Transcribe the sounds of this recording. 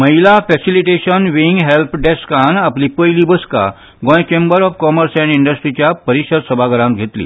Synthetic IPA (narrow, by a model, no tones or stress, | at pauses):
məɦilafɛsiliʈeɕənʋiŋɡɦelpʰɖeskanaplipəjliːbəska̰ | ɡɔ̃jt͡ɕẽmbəɾɔfkɔməɾsɛ̃ɳiɳɖəsʈɾit͡ɕjapəɾiɕəɾsəbʱaɡəɾãmɡʱet̪lḭː